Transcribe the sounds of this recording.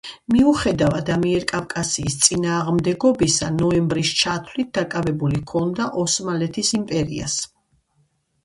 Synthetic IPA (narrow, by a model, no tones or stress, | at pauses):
miuχɛd̪avad̪amiɛɾkʼafkʼasiːst̪sʼinaːʁmd̪ɛɡɔbisanɔɛmbɾist͡ʃʰat̪ʰlit̪̚d̪̥akʼavɛbulikʰɔnd̪aʔɔsmalɛt̪ʰisimpʼɛɾia̰s